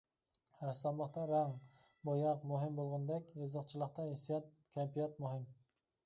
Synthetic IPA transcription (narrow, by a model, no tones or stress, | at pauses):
æɾsɑmlˠəqt̪ɑɾɑŋ | bojɑqmʊɦɪmbolˠʁɑnd̪ɛkʲjɨzəqt͡ʃʰɪlˠəqt̪ɑisijɑt̪̚ | kʲʰampijɑt̪̚mʊɦɪm